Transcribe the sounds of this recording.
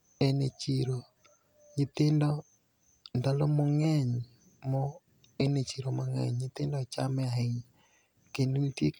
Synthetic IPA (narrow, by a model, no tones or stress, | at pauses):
enet͡ʃiɾo | ɲit̪endɔ | ndalomoŋɛɲ | mɔ | enet͡ʃiɾomoŋɛ̰ɲɲet̪endɔt͡ʃamɛaɦeɲ | kendutje